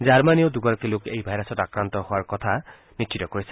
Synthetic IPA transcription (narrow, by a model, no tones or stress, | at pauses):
d͡ʒaɾmaniod̪uɡɔɾɔkilokejbʱajɾasɔtakɾant̪ɔhowaɾkɔt̪ʰa | nitt͡ʃʰit̪ɔkoɾisi̥